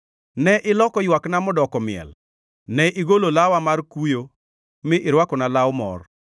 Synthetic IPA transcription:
nɛʔɪlɔkɔjwaknamɔdɔkɔmɪɛ̰l | nɛʔɪɡololawamarkujo | mɪʔɪɾwakɔnalawmɔ̰r

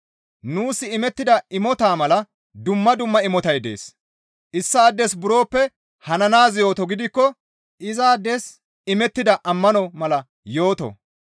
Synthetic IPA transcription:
nuːsɪɪmɛt̪ːɪd̪ɐɪmɔt̪aːmɐlɐ | d̪ʊmːɐd̪ʊmːɐɪmɔt̪ɐjd̪e̞̰ːs | ʔɪsːaːd̪ːɛsbʊɾo̞ːpːɛ | hɐnɐnaːzjo̞ːt̪ɔɡɪd̪ɪkːɔ | ʔɪzaːd̪ːɛs | ɪmɛt̪ːɪd̪ɐʔɐmːɐnɔmɐlɐ | jo̞ːt̪ɔ̰

